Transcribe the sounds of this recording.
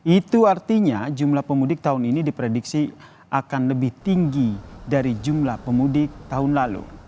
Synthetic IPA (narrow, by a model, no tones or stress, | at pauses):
it̪uart̪iɲad͡ʒumlahpəmudɪk̚t̪aɦʊninidipɾediksi | ʔakanləbɪht̪iŋɡidaɾid͡ʒumlahpəmudɪk̚t̪aɦʊnlalṵ